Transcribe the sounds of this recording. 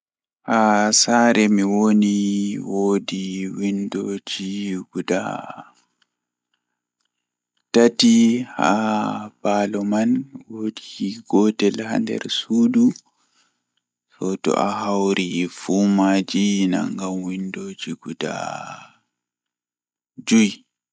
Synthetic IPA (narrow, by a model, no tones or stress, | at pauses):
hasaɾɛmiwoniwodiwindoːd͡ʒiɡuda̰ | tatiha̰b̥aːlɔmanwodiɡɔtɛlha̰ndɛ̰ɾsuːdu | sɔtɔ̰ʔaɦawɾifumad͡ʒina̰ŋɡamwindoːd͡ʒiɡuda̰ | d͡ʒuj